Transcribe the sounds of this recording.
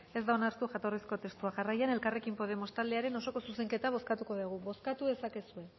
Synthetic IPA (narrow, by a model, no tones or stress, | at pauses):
e̞zd̪ao̞naɾt̪uʝat̪o̞risko̞t̪e̞st̪uaʝarajane̞lkare̞kimpo̞ð̞e̞mo̞st̪ald̪eaɾe̞no̞so̞ko̞suse̞ŋke̞t̪aβ̞o̞skat̪uko̞ðiɣ̞uβo̞skat̪uðe̞sake̞sue̞